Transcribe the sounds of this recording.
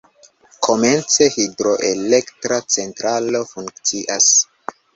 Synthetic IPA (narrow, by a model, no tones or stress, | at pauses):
kʰo̞me̞nt͡se̞hidɾo̞ʔe̞le̞ktɾat͡se̞ntɾalo̞fuŋkkt͡siʔas